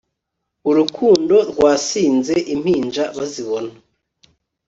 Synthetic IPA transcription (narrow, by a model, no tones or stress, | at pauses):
uɾukʰuːndo̞ɾɡwaːsiːnzeʔim̥hiːnd͡ʒaβaziβo̞na